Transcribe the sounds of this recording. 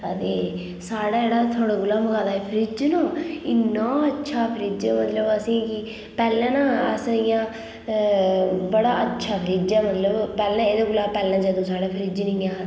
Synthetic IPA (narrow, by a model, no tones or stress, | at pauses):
ət̪eː | saːɽaːeːɽaːt̪ʰaːɽ̃aːɡʊlaːməɡaːd̪aːeːpʰəɾiːd͡ʒnõːɪnːãːətːʃʰaːpʰəɾiːd͡ʒãːmət̪ləbəsĩːkɪ | pɛːlɛ̃ːnãːəsɪjãː | bəɽaːətːʃʰaːpʰəɾiːd͡ʒãːmət̪ləbpɛːlɛ̃ːeːd̪ãːɡʊlaːpɛːlãːd͡ʒəd̪õːsaːɽaːpʰəɾiːd͡ʒnɪ̃ːaː